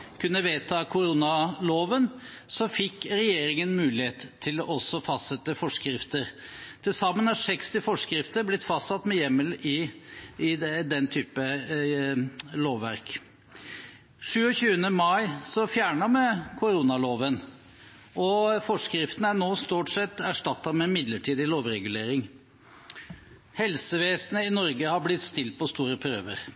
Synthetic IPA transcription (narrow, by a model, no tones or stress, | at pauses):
kʰʉnːəʋeːt̪ʰɑkʰʊɾuːnɑloːʋən | sɔfɪkːɾɛjeːɾɪŋənmʉːlɪheːt̪ʰːɪlɔʔɔsɔfɑst̪sɛt̪ːəfɔʂkɾɪft̪əɾt̪ʰɪlsɑmːənhæʂɛkst̪ɪfɔʂkɾɪft̪əɾblɪt̪ːfɑst̪sɑt̪ːmɛjɛmːəlɪɪd̪ɛnt̪ʰyːpə | loːʋːæ̰ɾk | ʂʉːɔçʉːənəmɑɪsɔfjæːɳɑmɛkʰʊɾuːnɑloːʋən | ɔfɔʂkɾɪft̪ən̩æɳoːst̪uːʈsɛt̪ːæʂʈɑt̪ːɑmɛmɪd̪ləʈʰiːd̪ɪloːʋɾɛɡʉleːɾɪŋ | hɛlsəʋeːsnəɪnɔɾɡəhɑblɪt̪st̪ɪlt̪̚pʰɔst̪uːɾəpʰɾøːʋə̰ɾ